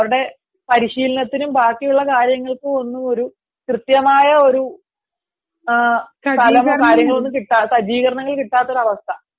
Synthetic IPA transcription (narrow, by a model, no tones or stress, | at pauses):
ɐʋɐɾuɽe̞ | pɐɾiɕiːlɐnɐt̪ːinumbaːkːijuɭːɐkaːɾjɐŋːɐɭkɨo̞nːumo̞ɾu | krɨt̪jɐmaːjɐo̞ɾu | t̪ʰɐlɐmkaːɾjɐŋːɐɭonːumkiʈːaːsɐd͡ʑiːkɐɾɐɳɐŋːɐɭkiʈːaːt̪ːo̞ɾuɐʋɐst̪ʰɐ